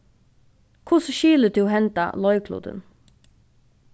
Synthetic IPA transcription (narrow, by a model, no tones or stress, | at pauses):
kʰʊsʃiːlət̪ʰʉːhɛnt̪ɑ̰lɔʏkʰlṵːd̪ə̰n